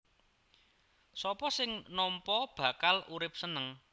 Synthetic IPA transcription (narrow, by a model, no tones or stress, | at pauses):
sɔpɔsɪŋnɔmpɔb̥ä̤kaluɾɪp̚sənəŋ